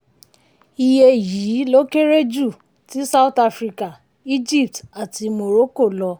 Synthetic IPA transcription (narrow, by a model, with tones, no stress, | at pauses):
i˧je˧˨ji˨˦lo˦ke˦ɾe˦d͡ʒu˦˨ | ti˨˦sa˦u˦˨ta˧fɾi˧ka˨ | i˦d͡ʒi˦˨p̚ta˨ti˧mo˧ɾo˦ko˦˨lɔ˧